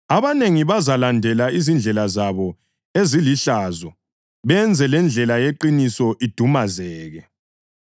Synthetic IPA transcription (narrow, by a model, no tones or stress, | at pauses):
aβaneŋiβazalandʱɛlaizind͡ɮʱɛlazaβɔ | eziliɬazɔ | βɛnd͡zʱɛlɛnd͡ɮʱɛlajeǃinisɔʔid̥ʱumazɛːɣɛ